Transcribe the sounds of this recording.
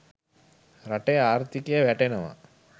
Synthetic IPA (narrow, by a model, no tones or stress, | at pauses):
raʈejəaːɾt̪ikejəʋæʈenəʋa̰